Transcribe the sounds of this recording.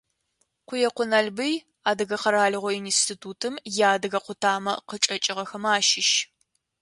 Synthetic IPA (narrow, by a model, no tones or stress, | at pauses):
qʷʊjɛqʷʊnɐɮbɨj | aːdɨɣɐqɐɾaːɮɨʁʷɔinstʰitʰuːtʰɨmjaːdɨɣɐqʷʊtʰaːmɐ̰qət͡ʃʼɐt͡ʃʼɪʁɐxɐmaːʃɪʃ